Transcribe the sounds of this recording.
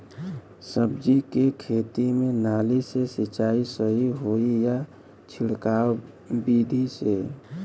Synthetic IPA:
səbd͡ʒikekʰeːt̪imẽnaːlisesɪt͡ʃaːisəɦiɦoija | t͡ʃʰɪɽkaːw | biːd̪ʱise

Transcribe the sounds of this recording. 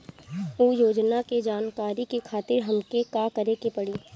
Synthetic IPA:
uːjoːd͡ʒnaked͡ʒaːnkaːɾikekʰaːt̪ɪɾɦɐmkekaːkɐɾekepɐɽiː

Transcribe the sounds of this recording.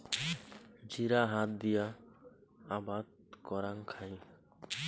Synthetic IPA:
d͡ʒiɾaɦat̪̚d̪ija | abad̪̚ | kɔɾaŋkʰaĩ

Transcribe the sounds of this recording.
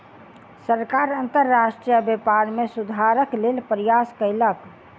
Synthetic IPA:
səɾkaɾənt̪əɾːaʃʈɾijəbjepaɾmesud̪ʱaɾəklelpəɾijaskəɪlək

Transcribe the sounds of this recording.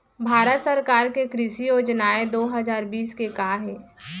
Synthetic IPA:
bʱaːɾət̪səɾkaːɾkekɾɪʃijoːd͡ʒnaːed̪oːɦɐzaːɾbiːskekaːɦɛː

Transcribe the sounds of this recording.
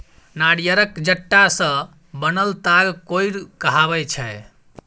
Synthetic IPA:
naɽjəɾəkd͡ʒəʈːasə̃ | bənəlt̪aɡkojɾkəɦaβɛjt͡ʃʰɛ

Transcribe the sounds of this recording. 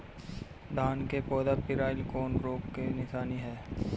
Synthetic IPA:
d̪aːnkepɔːd̪apɪɾaːɪlkɔːnɾoːkːenɪʃaːniɦɛː

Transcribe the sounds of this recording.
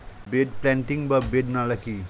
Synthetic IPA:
beɖplãɳʈiŋbʌbeɖnalaki

